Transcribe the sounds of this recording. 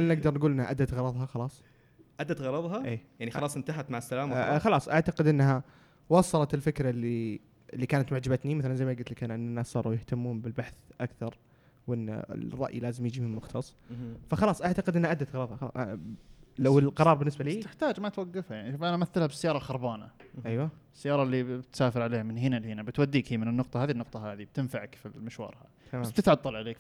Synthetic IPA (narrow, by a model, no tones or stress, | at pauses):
nʔɪɡd̪ɑɾˤnɡuːlʔɪnːha̰ʔad̪ːat̪ɣɑɾˤɑðˤɦɑxɑlɑːsˤ | ʔad̪ːat̪ɣɑɾˤɑðˤɦɑʔeːjaʕnixɑlɑːsˤɪnt̪aɦat̪maʕasːalaːmxɑlɑːsˤʔaʕt̪aqɪd̪ʔɪnːɦa | wɑsˤːɑlɑt̪ɪlfɪkɾalːi | ɪlːiːkaːnat̪mʊʕd͡ʒabat̪nimaθalanzajmajɡɪlt̪lɪkanʔɪnːɪnːaːssˤɑːɾˤujɪht̪amːuːmbɪlbaħθʔakθɑɾˤ | wʔɪn̰ːɪ̰rˤːɑ̰ʔjlaːzɪmjɪd͡ʒiːmɪmʊxt̪ʰɑsˤːfaxɑlɑːsˤʔaʕt̪aqɪd̪ʔɪnːaʔad̪ːat̪ɣɾˤɑðˤɑxɑlɑ̰ʔ | lawɪlqɑɾˤɑːɾˤbɪnːɪsbaliːt̪ɪħt̪aːd͡ʒmat̪waɡːɪfhajaʕniʃuːfʔanamaθːɪlhabɪsːajɑːɾˤɑlxɑɾˤbaːna̰ʔajwaɪsːajːɑːɾˤɑʔlːibɪt̪saːfɪɾʕaleːhamɪnɦɪnalhɪnabɪt̪wad̪ːiːkhimɪnɪnːʊqt̪ˤɑhaːðinːʊqt̪ˤɑɦaːðib̚t̪ɪnfaʕakfilmɪʃwɑ̰ːɾˤha̰ | t̪bamaːmbɪt̪ʕɑt̪ˤːɑlʕaleːk